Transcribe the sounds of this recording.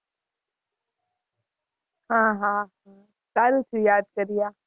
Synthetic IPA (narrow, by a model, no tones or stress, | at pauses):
ɦãːɦãɦã | kaːɾut͡ʃʰujaːd̪̚kɐɾijaː